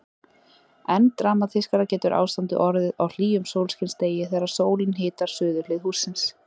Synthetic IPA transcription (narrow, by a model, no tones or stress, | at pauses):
ɛnt̪ɾaːmaθɪskaɾacɛːt̪ʏɾʔa̰ːwst̪ant̪ʏ̰ʔɔɾðɪðawl̥iːʏmsowlscɪnst̪eːjɪθɛːɾḁsoːwlɪnɦɪːt̪aɾ̥sʏːðʏlɪðhuːsːɪns